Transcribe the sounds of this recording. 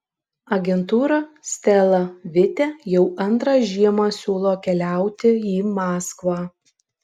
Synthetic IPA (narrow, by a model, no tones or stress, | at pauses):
ɐɡʲɛnt̪uːɾɐsʲt̪ʲɛlˠɐʋʲɪt̪ʲɛjɛʊʔɐnt̪ɾɑːʒʲiɛmɑːsʲuːlˠoːkʲɛlʲæˑʊt̪ʲɪiːmɑːskʋɑː